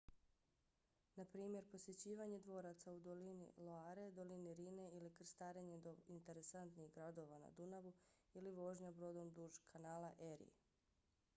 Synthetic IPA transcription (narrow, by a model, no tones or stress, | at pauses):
napɾiːmje̞ɾpo̞sje̞t͡ɕiːʋaɲed̪ʋo̞ːɾat̪saud̪o̞linḭlˠoaːɾe̞d̪o̞liniɾiːne̞ilikr̩st̪aːɾeɲed̪oint̪e̞ɾe̞sant̪niɣɡɾad̪o̞ʋana̰d̪unaʋuiliʋo̞ːʒɲabɾo̞d̪omd̪uʒkʰanaːlaʔeɾḭ